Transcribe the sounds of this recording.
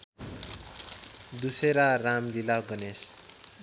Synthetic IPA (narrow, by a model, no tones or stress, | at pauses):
d̪useɾaramd͡zilaɡʌnes